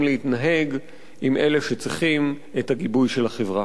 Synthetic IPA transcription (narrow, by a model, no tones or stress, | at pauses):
mlehitnaɦe̞ɡ | imʔe̞leʃet͡sʁiχim | etaɡibujʃelaχevʁa